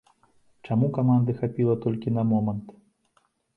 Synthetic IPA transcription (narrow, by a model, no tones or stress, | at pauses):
t͡ʂamukamand̪ɨxapʲilˠɐt̪ɔlʲkʲinɐmɔmɐnt̪